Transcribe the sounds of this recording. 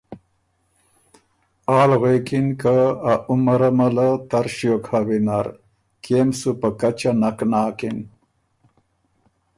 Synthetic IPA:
aːlɣekinkaaumaɾamalat̪aɾʃjokhawinaɾ | kemsupakat͡ʃanaknaːkin

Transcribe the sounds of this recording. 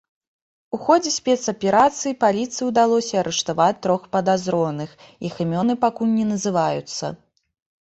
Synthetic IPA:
uxɔd͡zʲɛsʲpʲɛt̪sɐpʲɛɾat̪sɨjipalʲit̪sɨjiwd̪alˠɔsʲɐːɾɛʂt̪avat̪ːɾɔxpɐd̪azɾɔnɨx | ixɨmʲɔnɨpakulʲnʲɛnɐzɨvajut̪sːɐ̰

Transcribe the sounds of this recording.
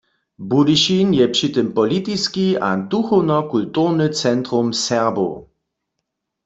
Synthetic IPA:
budɪʃinjɛpʂit̪ɨmpɔlit̪iskia̰duxɔwnɔkultuʁnɨt͡sɛnt̪ʁumsɛʁbo̰

